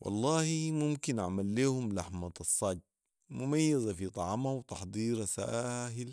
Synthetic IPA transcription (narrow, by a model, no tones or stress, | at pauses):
wʔɑ̰lˤːɑːhimumkinʔaʕmalːeːhumlaħmaɑsˤːɑɟ̚ | mumajːazafit̪ˤɑʕmawt̪ɑħd̪ˤiːɾasaːɦil